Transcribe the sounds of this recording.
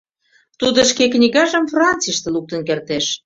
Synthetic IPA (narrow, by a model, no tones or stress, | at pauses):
t̪ud̪ə̆ʃkeknʲiɣɑʒə̆mfrɑnt͡siʃt̪ĕluk̚t̪ə̆nkert̪eʃ